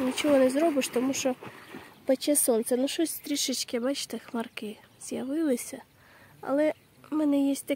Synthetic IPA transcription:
nʲit͡ʃɔɦɔnɛzɾɔbɪʃt̪ɔmuʃɔbɐt͡ʃʲɛsɔnt̪sɛnuʃɔsʲst̪ɾʲiʃɪt͡ʃkɪbɑt͡ʃɪ̥t̪ɪxmɐrkɪz̥ʲjɐʋɪlˠɪsʲɐ | ɐ̰lˠɛ | mɛnɛjɛsʲt̚ʲt̪ɐ

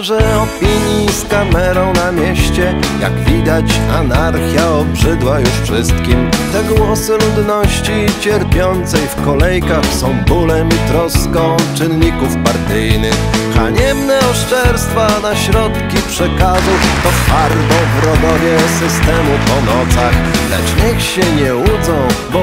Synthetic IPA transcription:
ʐɛɔpʲiɲjiskamɛɾɔ̃w̃namʲjɛɕt͡ɕɛja̰ɡvʲid̪at͡ɕanaɾxʲjaɔbʐɘd̪wajuʂfʂɘst̪kʲimt̪ɛɡwɔsɘlud̪nɔɕt͡ɕit͡ɕɛɾpʲjɔnt̪sɛjfkɔlɛjkaxsɔ̃w̃bulɛmit̪ɾɔskɔ̃w̃t͡ʂɘnɲikufpaɾt̪ɘjnɘxxaɲɛmnɛɔʂt͡ʂɛɾst̪fanaɕɾɔt̪kʲipʂɛkazut̪ɔxaɾbɔvɾɔd̪ɔvʲjɛsɘst̪ɛmupɔnɔt̪saxlɛ̰t͡ʂɲɛxɕɛɲɛud̪zɔ̃w̃bɔ

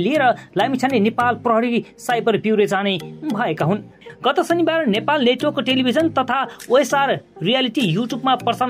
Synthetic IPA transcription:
lieɾʌlajmit͡sʰanlenepalprʌɦʌɾisajbʌrbiwɾed͡zanebʱʌekaɦun | ɡʌt̪ʌsʌnibaɾnepalneʈokːoʈelibʱid͡zʌnt̪ʌt̪ʰaoesarrijaliʈijuʈjubmapʌrsan

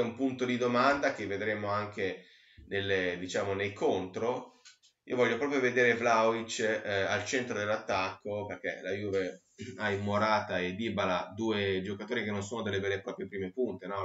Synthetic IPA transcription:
ɛumpunt̪od̪id̪omand̪ak̟evːed̪ɾeːmoaŋkʰe | nelːed̪it͡ʃaːmonejkʰont̪ɾo | iːovɔʎːopɾɔːp̬ɾjoved̪eːɾevlawit͡ʃalt͡ʃent̪ɾod̪elːat̪ːakːoperk̟ḛlajuve | aimːoɾaːt̪aed̪ibalad̪uːed͡ʒokat̪oːɾikenːonsoːnod̪elːebɛːlepɾɔːpɾjopɾiːmepunt̪enɔ

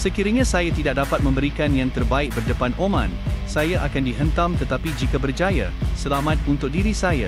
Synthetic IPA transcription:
səkiɾəɲãsajat̪idak̚dapat̪̚mə̃mbəɾikanjaŋt̪ərbaɪk̚bərdəpanʔomã̰nsajaʔakandiɦənt̪amt̪ət̪apid͡ʒikabərd͡ʒaja̰səlamãt̪̚unt̪ʊk̚diɾisaja̰

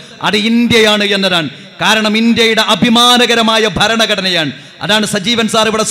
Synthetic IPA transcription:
ɐ̰ðɨind̪jɐjaːɳɨe̞nːɐðaːɳɨ | kaːɾɐɳɐmind̪jɐjuɽe̞ʔɐbʱimaːnɐɣɐɾɐmaːjɐbʱɐɾɐɳɐɡɐɽɐnɐjaːɳɨ | ɐ̰ðaːɳɨsɐd͡ʑiːʋɐnsaːriʋɨɽɐs

